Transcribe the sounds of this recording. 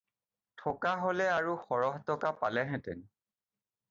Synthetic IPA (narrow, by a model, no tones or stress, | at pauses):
tʰɔkaɦolɛaɹuxɔɹɔɦtɔkapalɛɦɛ̃tɛ̰n